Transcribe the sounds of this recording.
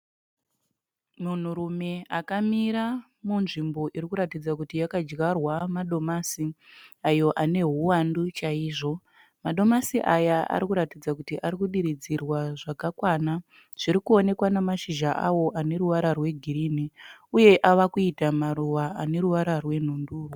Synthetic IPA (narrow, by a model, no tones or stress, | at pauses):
mun̤uɾume̞akamiɾa | munʐimbo̞ʔiɾikuɾatid͡zakutijakad͡ʒɣarwamaɗo̞masiajo̞ʔane̞ɦuwandut͡ʃaiːʐo̞ | maɗo̞masiʔajaʔa̰ɾikuɾatid͡zakutiʔaɾikuɗiɾid͡zirwaʐakakwana | ʐ̥iɾikuo̞ne̞kwanemaʃiʒaʔawo̞ʔane̞ɾuʋaɾarwe̞ɡʱiriniuje̞ʔaʋakuitamaɾuʋaane̞ɾuʋaɾarwe̞n̤unduːrwo